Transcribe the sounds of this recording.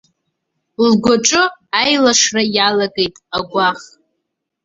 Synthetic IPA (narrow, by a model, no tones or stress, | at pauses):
llɡʷaʈ͡ʂʼɨajlaʂrajalaɡe̞jtʼaɡʷaχ